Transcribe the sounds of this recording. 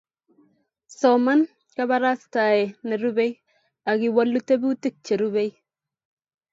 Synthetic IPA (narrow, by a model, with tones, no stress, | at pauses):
sɔma˦n | kaβaɾa˦sta˨ɛ˨ne˨ɾube˦j | a˨ɡɪ˨wa˦lːu˦te˦bu˦ti˦k̚t͡ʃe˨ɾu˦βe˦j